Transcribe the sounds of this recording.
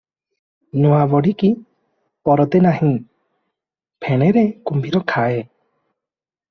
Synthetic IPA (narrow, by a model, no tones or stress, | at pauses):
nɔwabɔɽiki | pɔɾɔt̪enahĩ | pʰeɽ̃eɾekumbʱiɾɔkʰae